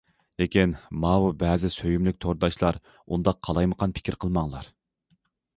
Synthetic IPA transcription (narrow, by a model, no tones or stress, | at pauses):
lekʲinmɑwubɛːzɪsøjymlyk̚ʲt̪ʰoɾd̪ɑʃlˠɑɾ | und̪ɑqʰːɑlˠɑjməqʰɑnpʰɪ̥kʲʰiɾqʰəlˠmɑŋlˠɑɾ